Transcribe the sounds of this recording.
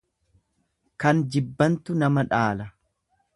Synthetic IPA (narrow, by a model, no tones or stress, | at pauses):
kɐnd͡ʒɪbːɐnt̪ʊnɐmɐᶑaːlɐ